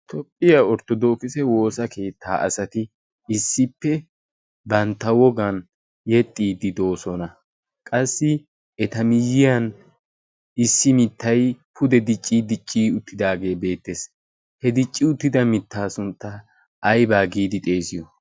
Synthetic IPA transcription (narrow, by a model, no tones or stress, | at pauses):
t̪ʰɔpʼːɪjaɔɾt̪ːɔd̪o̞ːkɪsɛwo̞ːsɐke̞ːt̪ʰːaːʔɐ̰sɐt̪ɪ | ɪsːɪpːɛ | bɐnt̪ːɐwɔɡɐn | jɛt̪ʼːiːd̪ɪd̪o̞ːsɔnɐ | kʼɐsːɪ | ɛt̪ɐmɪjːɪjɐn | ɪsːɪmɪt̪ːɐjpʰʊd̪ɛd̪ɪt͡ʃʼːiːd̪ɪt͡ʃʼːiːʊt̪ːɪd̪aːɡe̞ːbe̞ːt̪ːes | hɛd̪ɪt͡ʃʼːɪʊt̪ːɪd̪ɐmɪt̪ːaːsʊnt̪ːɐ | ɐjbaːɡiːd̪ɪt̪ʼe̞ːsɪjɔ